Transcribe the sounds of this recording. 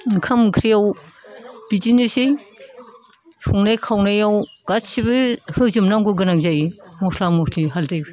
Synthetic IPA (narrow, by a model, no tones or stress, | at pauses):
kʰamkʰɾijaw | bid͡ʒinisej | sʰuŋnajkʰawnajawɡ̥at͡ʃsibɯhɯzɯmnaŋɡɯɡɯnaŋzajimɔslamɔsliɦaldaj